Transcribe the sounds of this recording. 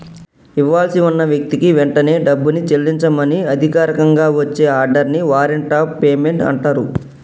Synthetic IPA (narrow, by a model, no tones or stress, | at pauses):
iʋːaːlɐsiunːɐʋjɐk̚t̪ikiʋɛɳʈɐne̞ːɖɐbːunit͡ʃelːiɲt͡ʃɐmɐniɐd̪ʱikaːɾɐkɐŋɡaːʋɐt͡ʃːe̞ːaːɾɖɐɾniʋaːɾeɳʈaːpeːme̞ɳʈɐ̰ɳʈaːɾu